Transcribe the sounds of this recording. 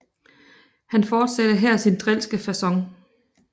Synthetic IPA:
hænfɒːd̥sæd̥əɦɛɐ̰sind̥ʁɛl̰sɡ̥əfæsɒ̽ŋ

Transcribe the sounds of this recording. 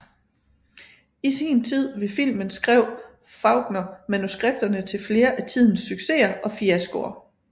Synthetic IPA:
isiːnt͡sʰið̞̰ˠʋe̝fil̰mənsɡ̥ʁɛʊ̰ | fɑ̈ʊɡ̥nɐmænusɡ̥ʁeb̥̚d̥ɐnət͡sʰe̝lfle̝ːɐʔæt͡sʰið̞̰ˠn̩sːyɡ̥se̝̰ːɐʔɒ̽fiæsɡ̥o̝ɐ

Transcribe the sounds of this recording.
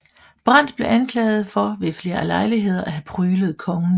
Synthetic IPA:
b̥ʁɑn̰d̥b̥le̝ʔænkʰlɛ̰ːɪð̞̩ˠfɒ̽ʋe̝fle̝ːɐlɑ̈ɪliɦe̝ð̞̰ˠɐʔæɦæpʰʁyːləð̞̩ˠkʰɒ̽ŋən̩

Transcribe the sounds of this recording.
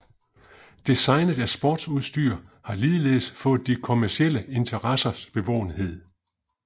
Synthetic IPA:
d̥isɑ̈ɪnð̩ˠæsb̥ɔːd̥suðˠsd̥yːɐhɑ̈liːð̩ˠle̝̰ːsfɔ̽ːð̩ˠd̥ikʰo̝mæɐsiel̰əe̝nt͡sʰɐʁɑsɐsb̥e̝ʋɒ̰ʊ̰n̩he̝ð̞̰ˠ

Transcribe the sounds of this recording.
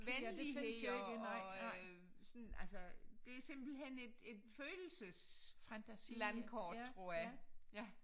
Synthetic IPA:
ʋenli | sɔnʔælsəd̥e̝æɐse̝m̰b̥l̩ɦen̰e̝d̥e̝d̥føːll̩səsfæslænkʰɒ̰ːd̥t͡sʰʁo̝ɐ̰jɑjæ

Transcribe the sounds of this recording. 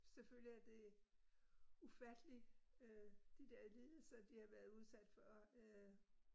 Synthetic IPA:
seføl̰jiæɐd̥e̝ | ufæd̥əliød̥id̥eɐ̰iliːl̩sɐd̥ihɑ̈ʋæɐð̩ˠuð̞ˠsæd̥fɒ̽ø

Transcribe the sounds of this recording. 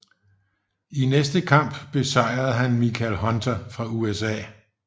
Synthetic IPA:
inesd̥əkʰɑ̈m̰b̥b̥e̝sɑ̈ɪ̰ʁɐð̩ˠɦænmikʰælɦɒ̽nd̥ɐfʁɑ̈uesɛ̰ː

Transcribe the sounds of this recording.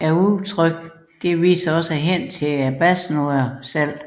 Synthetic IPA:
æɐut͡sʰʁœɡ̥ | d̥e̝ʋḭːsɐɒ̽səɦen̰t͡sʰe̝æb̥æsnoæsæl̰

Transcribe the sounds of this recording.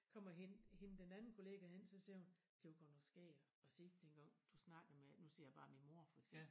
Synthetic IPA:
kʰɒ̽m̰ɐɦenhe̝nəd̥enænn̩kʰo̝le̝ːɡ̥æhen̰sɒ̽siɐhun | d̥eoɡ̥ɒnɒsɡ̥ɛ̰ːɐ | ɒ̽seɡ̥d̥enɡ̥ɑ̈ŋ̰d̥usnɑ̈ɡ̥ð̩menusḛɐ̰jäb̥ɑ̈ːminmo̝ɐ̰fɒ̽eɡ̥sem̰b̥l

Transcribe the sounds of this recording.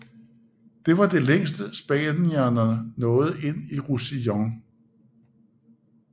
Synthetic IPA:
d̥e̝ʋɑ̈d̥e̝leŋ̰sd̥əsb̥ɛnæɐnɐənɔ̽ːð̞̩ˠe̝n̰iʁusijɒŋ

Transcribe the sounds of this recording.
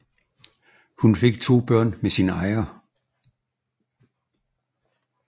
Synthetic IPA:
hunfe̝ɡ̥̚t͡sʰo̝̰ːb̥ɶɐ̰nmesinəɑ̈ɪɐ

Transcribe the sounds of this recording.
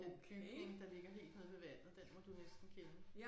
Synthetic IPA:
enb̥ʰyɡ̥nne̝ŋd̥ɑ̈le̝ɡ̥ɐɦe̝̰ːld̥ne̝ðˠʋmeʋæn̰ð̩ˠd̥enmɒ̽d̥unesd̥n̩kʰenə

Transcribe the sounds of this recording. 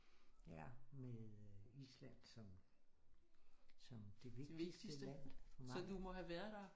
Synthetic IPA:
jæmeðˠislæn̰sɒ̽m | sɒmd̥e̝ʋed̥eʋe̝ɡ̥d̥i̥səd̥əæn̰mɒ̽d̥umɒ̽ɦæʋæɐðˠd̥ɑ̈

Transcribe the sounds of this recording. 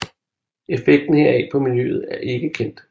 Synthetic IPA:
efeɡ̥̚d̥n̩he̝ɐ̰ɛ̰pʰɒ̽miny̰ð̞̩ˠæɐʔe̝ɡ̥əkʰen̰d̥

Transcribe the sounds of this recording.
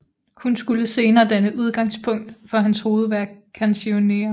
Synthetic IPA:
hunsɡ̥uləse̝ːnɐːd̥ænəʔuð̞ˠɡ̥ɑ̈ŋ̰spʰɔ̽ŋ̰d̥fɒ̽ɦænsho̝ːð̞̩ˠʋæɐɡkʰænsio̝ne̝̰ɐ

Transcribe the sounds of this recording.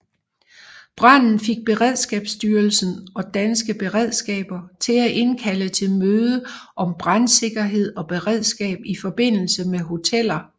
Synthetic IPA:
b̥ʁɑn̰n̩fe̝ɡ̥̚b̥e̝ʁɛð̞̰ˠsɡ̥ɛːb̥sd̥yːɐlsn̩ɒ̽d̥ænsɡ̥əb̥e̝ʁɛð̞̰ˠsɡ̥ɛ̰ːb̥ɐt͡sʰe̝læʔe̝nkʰælət͡sʰe̝lmøːð̞ˠəʔɒ̽mb̥ʁɑnse̝ɡ̥ɐɦe̝ð̞̰ˠɒ̽b̥e̝ʁɛð̞ˠsɡ̥ɛ̰ːb̥ifɒ̽b̥e̝n̰l̩səmeɦo̝t͡sʰel̰ɐ

